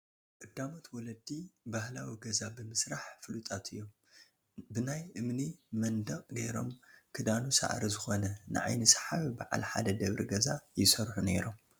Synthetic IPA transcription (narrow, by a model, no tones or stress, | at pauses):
ʔʼɨd̪ːamot̪wɔlɐd̪ibahlawiɡɐzabɨmɨsɾaħfɨlut̪ʼat̪ʰɨjːo̞m | bɨnajʔɨmnimɐnd̪ɐqʼɡeɾo̞̰mkʰɨd̪anusa̰ʕɾizɨxo̞nɐnɨ̰ʕa̰jnɨsħaβibaʕa̰lħa̰d̪ɐd̪ɐβɾiɡɐzajɪsɐɾħune̞ɾo̞m